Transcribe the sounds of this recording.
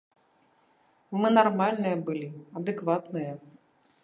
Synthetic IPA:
mɨnarmalʲnɨjɐbɨlʲiɐd̪ɨkvat̪nɨjɐ

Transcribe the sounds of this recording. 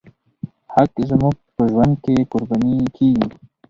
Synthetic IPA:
hakzmuɡ̚pəʒwɐnd̪̚kekuɾbaniki

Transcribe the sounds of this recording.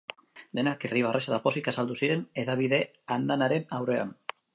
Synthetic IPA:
d̪enakiriβarʔeʃaðaposikasald̪usiɾeneðaβiðe | and̪anaɾemawɾea̰m

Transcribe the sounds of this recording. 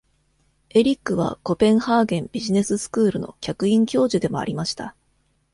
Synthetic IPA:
e̞ɾʲikːɯ̟β̞a̰ko̞pẽ̞ɰ̃haːɡẽ̞mbʲiʑine̞sɨsɨ̥kɯ̟ːɾɯ̟no̞̰kʲakɯ̟ĩŋkʲo̞ːʑɨd̪e̞mo̞a̰ɾʲimaɕi̥t̪a

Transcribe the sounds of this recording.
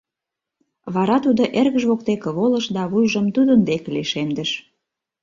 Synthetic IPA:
βɑɾɑt̪ud̪oʔerɣəʒβok̚t̪ekəβolə̆ʃd̪ɑβujʒəmt̪ud̪ənd̪ekliʃemd̪əʃ

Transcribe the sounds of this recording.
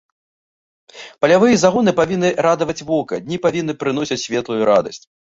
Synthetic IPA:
pɐlʲavɨjɐzaɣɔnɨpavʲinːɨɾad̪ɐvɐt͡sʲvɔkɐd̪ʲnʲipavʲinːɨpɾɨnɔsʲit͡sʲsʲvʲɛt̪lˠujuɾa̰d̪ɐsʲt͡sʲ

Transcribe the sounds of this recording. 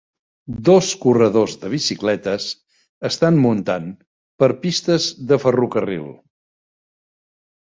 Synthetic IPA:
d̪oskurəðozðəβ̞isiklɛt̪əs | əst̪anmunt̪an | pəɾpist̪əzðəfərukərḭlˠ

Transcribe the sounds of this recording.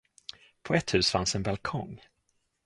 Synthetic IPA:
pʰɔɛt̪hʉ̟ːsfansɛnbalkʰɔŋ

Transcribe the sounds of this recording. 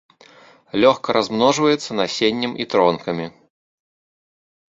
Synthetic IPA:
lʲɔxkɐɾʔazmnɔʐvɐjɛt̪sːɐnasʲenʲːɐmit̪ɾɔnkɐmʲi

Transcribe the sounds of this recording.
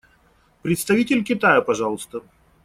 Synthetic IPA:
pɾʲɪt̪st̪ɐvʲitʲɪlʲkʲɪt̪ajəpɐʐɑlˠəst̪ə

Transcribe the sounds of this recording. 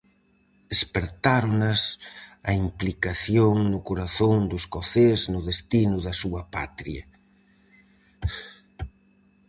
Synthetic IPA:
despeɾt̪aɾonɐsɐimplikaθjoŋnʊkoɾaθoŋd̪ʊskoθeznʊðest̪inʊðɐsuɐpa̰t̪ɾiɐ

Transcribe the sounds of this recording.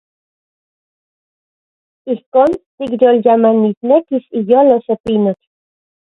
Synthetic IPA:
ihkoːnt̪ikjoljamanit̪nekisijoːlosepinok

